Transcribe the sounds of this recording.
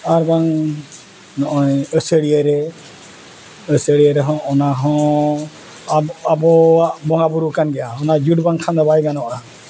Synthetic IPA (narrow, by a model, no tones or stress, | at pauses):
aɾbaŋ | nɔʔɔjəsəɽiəɾɛ | əsəɽiəɾɛɦɔ̃ʔɔnaɦɔ̃ | abɔaʔbɔŋabuɾukanɡɛjaɔnad͡ʒuʈbaŋkʰand̪ɔbajɡanɔʔa